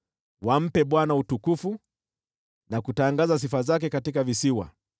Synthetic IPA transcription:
wam̩pɛɓwanautukufu | nakutaŋɡazas̬ifazak̬ɛkatikavisiwa̰

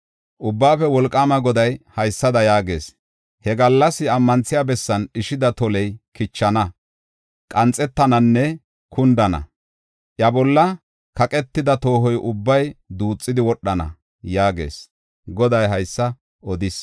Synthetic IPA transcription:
ʔʊbːaːfɛwɔlkʼːaːmɐɡɔd̪ɐjhɐjsːɐd̪ɐjaːɡe̞̰ːs | hɛɡɐlːɐsɪɐmːɐnt͡sːɪjabɛsːɐnɪʃɪd̪ɐt̪ɔlɛjkɪt͡ʃːɐnɐ | kʼɐnt͡sʼːɛt̪ːɐnɐnːɛ | kʰʊnd̪ɐnɐ̰ | ʔjɐbɔlːɐ | kɐkʼɛt̪ːɪd̪ɐt̪o̞ːɦɔjʔʊbːɐjd̪uːt͡sʼːɪd̪ɪwɔɗːɐnɐ̰ | jaːɡe̞̰ːs | ɡɔd̪ɐjɦɐjsːɐ | ɔd̪ɪs

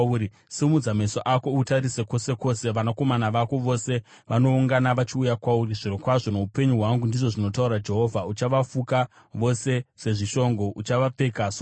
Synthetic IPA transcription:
ɾi | simud͡zame̞soʔako̞utaɾiseko̞se̞ko̞ːse̞ʋanako̞manaʋako̞ʋo̞se̞ | ʋano̞uŋɡanaʋat͡ʃiujakwauriʐirokwaʐo̞no̞upe̞ɲuɦwaŋɡundiʐo̞ʐino̞t̬auɾad͡ʒe̞ɦo̞vʱaut͡ʃaʋafuka | ʋo̞se̞se̞ʐiʃo̞ŋɡo̞ʔut͡ʃaʋap͡fe̞kaso

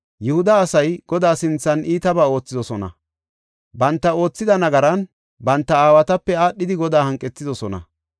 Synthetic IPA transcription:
jʊhʊd̪ɐːsɐjɡ̥ɔd̪aːsɪnt͡sːɐniːt̪ɐbaːo̞ːt͡sːɪd̪ɔsɔnɐ̰ | bɐnt̪ːɐo̞ːt͡sːɪd̪ɐnɐɡɐɾɐn | bɐnt̪ːɐaːwɐt̪ɐpːɛaːɗːɪd̪ɪɡɔd̪aːhɐŋkʼːɛtːɪd̪ɔsɔnɐ̰

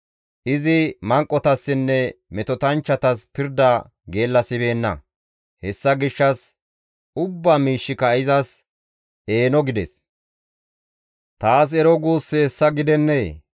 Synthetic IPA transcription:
ʔɪzɪmɐŋkʼːɔt̪ɐsːɪnːɛmɛt̪ɔt̪ɐnt͡ʃːɐt̪ɐspɪɾd̪ɐ | ɡe̞ːlːɐsɪbe̞ːnːɐ̰ | hɛsːɐɡɪʃːɐs | ʊbːaːmiːʃːɪkɐɪzɐs | e̞ːnɔɡɪd̪ɛs | t̪aːs̬ɛɾɔɡuːsːeɛsːɐɡɪd̪ɛnːeː

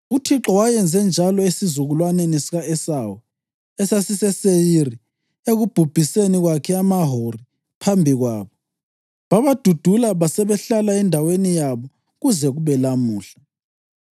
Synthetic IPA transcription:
utʰiǁɔwajɛnd͡zʱɛnd͡ʒʱalɔesizuɣulwanɛnisiɣaɛsawɔ | ɛsasisɛsejiri | eɣub̥ʱub̥ʱiseniɣwakʰɛamaɦori | pʰambʱiɣwa̰ːβɔ | βaβad̥ʱud̥ʱulaβasɛβɛɬalaɛndʱawenijaβɔ | ɣuzɛɣuβɛlamuːɬa

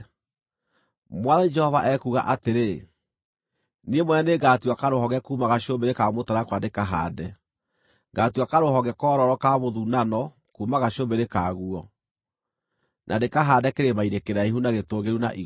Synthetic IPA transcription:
mwaðanid͡ʒɛhɔvaʔɛkuɣa̰ʔateɾe | nemwɛneɡaːtuakaɾohɔɣɛkuːmaɣaɕiobeɾekamotaɾakwandekaɦa̰ːdɛ | ɡaːtuakaɾoɦɔɣɛkɔːɾɔɾɔkaβoðunanɔ | kuːmaɣaɕiombeɾekaːɣuɔ | nʔadekaɦaːdɛkeɾemainekeɾaiɦunaɣetoːɣeɾuna̰ʔi

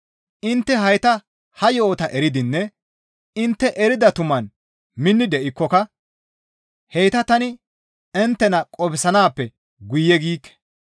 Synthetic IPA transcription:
ʔɪnt̪ːɛɦɐjt̪ɐ | hɐjo̞ːt̪ɐʔɛɾɪd̪ɪnːɛ | ɪnt̪ːɛʔɛɾɪd̪ɐt̪ʊmɐn | mɪnːɪd̪ɛʔɪkːɔkɐ | hɛjt̪ɐt̪ɐnɪ | ɛnt̪ːɛnɐkʼɔbɪsɐnaːpːɛ | ɡʊjɛɡiːkːɛ̥

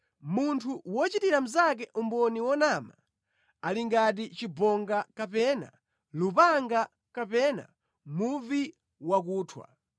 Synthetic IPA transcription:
muntʰuwɔt͡ʃitiɾam̩zak̬ɛʔumbɔniwɔnama | aliŋɡat̬it͡ʃibɔŋɡakapɛna̰ | lupaŋɡa | kapɛna̰ | muvi | wak̬uːtʰwa̰

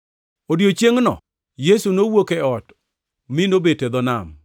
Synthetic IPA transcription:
odjot͡ʃeŋnɔ̰ | jesunowokeɔt | mɪnobeted̪ɔna̰m

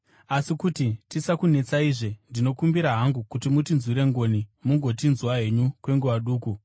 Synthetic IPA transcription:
asikutitisakune̞t͡saiʐendino̞kumbiɾaɦaŋɡukutimutinzwiɾe̞ŋɡo̞nimuŋɡo̞tinzuwaɦe̞ɲukwe̞ŋɡuwaɗuːku

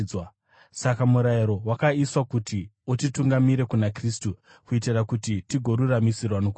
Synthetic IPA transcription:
wa | sakamuɾaiɾo̞wakaiswakutiotituŋɡamiɾe̞kunakristu | kuitirakutitiɡʱo̞ɾuramisirwanok

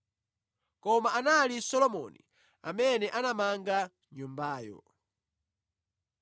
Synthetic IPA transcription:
kɔmaʔanalisɔlɔmɔnḭ | a̰mɛnɛʔanamaŋɡa | ɲumbaːjɔ̰

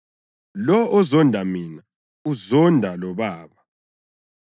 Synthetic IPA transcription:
lɔɔzɔndʱamina | uzɔndʱalɔβaːβa

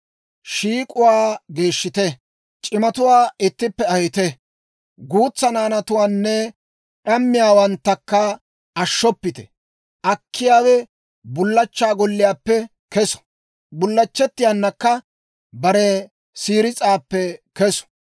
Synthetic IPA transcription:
ʃiːkʼʊwaːɡe̞ːʃːɪt̪ɛ | t͡ʃʼɪmɐt̪ʊwaːɪt̪ːɪpːɛɐjɪt̪ɛ | ɡuːt͡sːɐnaːnɐt̪ʊwaːnːɛ | ɗɐmːɪjaːwɐnt̪ːɐkːɐ | ɐʃːɔpːɪt̪ɛ̰ | ʔɐkʰːɪjaːwɛ | bʊlːɐt͡ʃːaːɡɔlːɪjaːpːɛ | kɛsɔ̥ | bʊlːɐt͡ʃːɛt̪ːɪjanːɐkːɐ | bɐɾɛ | siːɾɪt͡sʼaːpːɛkɛsɔ̥

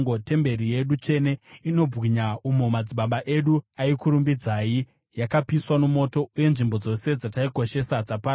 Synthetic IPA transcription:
ɡote̞mbe̞ɾije̞ɗut͡ʃe̞ne̞ino̞b͡vwiɲaumomad͡ziɓaɓaʔe̞ɗuaikuɾumbid͡zaːji | jakapiswanomo̞to̞uje̞nʐimbo̞d͡zo̞se̞d͡zataiko̞ʃe̞sad͡zapa

